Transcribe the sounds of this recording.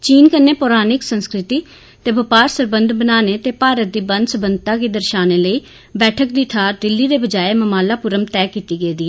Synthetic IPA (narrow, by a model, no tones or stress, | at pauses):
t͡ʃiːnkənːeːpɔːɾaːnɪksənskɾɪt̪iː | t̪eːbəpaːɾsəɾbənd̪bənaːneːt̪eːpaːɾət̪̚d̪iːbə̃nd̪səbənd̪̚ʱt̪aːkiːd̪əɾʃaːneːləiː | bɛːʈʰək̚d̪iːt̪ʰaːɾd̪ɪlːiːd̪eːbəd͡ʒaːeːməmaːlaːpʊɾəmt̪ɛːkiːt̪iːɡeːd̪iːɛː